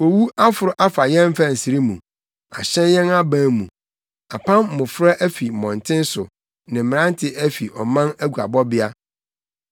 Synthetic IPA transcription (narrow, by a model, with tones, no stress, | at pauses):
o˨wu˦ʔa˦fʊ˨ɾʊ˨ʔa˦fa˨jɛ̃˦m˦fa˦n̩˨si˨ɾi˦mṵ̃˨ | a̰˨ɕɛ̃˦njɛ̃˦na˦bãː˦mṵ̃˨ | a̰˨pʰã˦m˨mʊ̃˨fɾa˦ʔæ˦fi˨mɔ̃˨ntʰɪ̃˦n˦sʊ˨ | nɪ̃˨m̩˨m˨ã˦n˦tʰɪ˨ʔæ˦fi˨ʔɔ˨mã˦næ˦ɡʷu˨a̰˨bɔ˦bɪ˦a˦